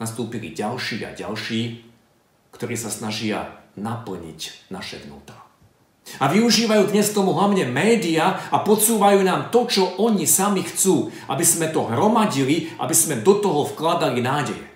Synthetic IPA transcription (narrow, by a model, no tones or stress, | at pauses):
nast̪uːpilḭɟalʃiːa̰ɟa̰lʃiː | kt̪ɔɾiːsasnaʒɪa̰napl̩ɲḭcna̰ʃɛ̰ʋnṵːt̪a | aʋiuʒiːʋajuːd̪ɲɛskt̪ɔmuɦlaʊɲɛmɛːd̪iaapɔt͡suːʋajuːnaːmt̪ɔt͡ʃɔʔɔɲisamixt͡suːʔa̰bizmɛt̪ɔɦɾɔmaɟiliʔa̰bizmɛd̪ɔt̪ɔɦɔfklad̪alinaːɟɛjɛ̰